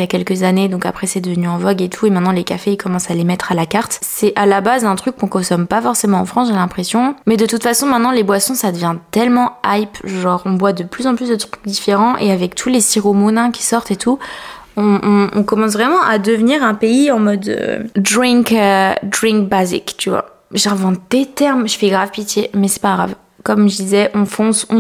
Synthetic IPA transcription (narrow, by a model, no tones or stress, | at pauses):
jakʲɛlkəzaned̪ɔ̃ka̰pχɛsɛd̪əvənyɑ̃vɔɡet̪ʰuemɛ̃t̪nɑ̃lekafeikɔmɑ̃salemɛt̪χalakaʁt̪sɛʔalabazɛ̃t̪χykːɔ̃kɔ̃sɔmpafɔʁsemɑ̃ɑ̰̃fχɑ̃sʒelɛ̃pχesjɔ̃mɛd̪ət̪ut̪fasɔ̃mɛ̃t̪nɑ̃lebwasɔ̃sad̪əvjɛ̃t̪ɛlmɑ̃ajpʒɑ̃ʁɔ̃bwad̪əplyzɑ̃plys̬d̪ət̪χyk̚d̪ifeʁɑ̃ʔeavɛk̚t̪ʰulesiʁomonɛ̃kʲi̥sɔʁt̪et̪u | ɔ̃ʔɔ̰̃kɔmɑ̃s̬vʁɛmɑ̃ʔad̪əvniʁɛ̃peiɑ̃mɔd̪ø̰d̪ʁĩkød̪ʁĩŋk̚bazḭkt̪yvwa̰ | ʒɑ̃vɑ̃t̪̚d̪̥et̪ɛʁmʒfɛɡʁavpit̪jemɛsɛ̥paɡʁav | kɔmʒəd̪izɛʔɔ̃fɔ̃sɔ̰̃